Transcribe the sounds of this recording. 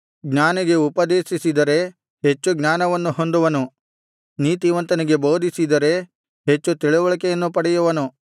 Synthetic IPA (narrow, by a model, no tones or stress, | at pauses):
ɡɲaːniɡe̞upɐd̪eːʃisid̪ɐɾe̞ | ɦe̞t͡ʃːuɡɲaːnɐʋɐnːuho̞nd̪uʋɐnu | niːt̪iʋɐnt̪ɐniɡe̞bo̞ːd̪ʱisid̪ɐɾe̞ | ɦet͡ʃːut̪iɭuʋɐɭɐkejɐnːupɐɽɛjuʋɐnu